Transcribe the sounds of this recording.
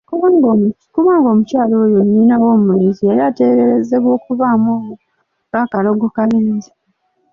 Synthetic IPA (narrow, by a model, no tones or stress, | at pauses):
kuβaːŋɡom | kuβaːŋɡo̞ːmucaːlo̞ːjonːiːnawo̞ːmulizieɾiaːte̞ɾeɾezeβo̞ːkuvaːmoːmu | ɡakalo̞ɡokaliːzi̥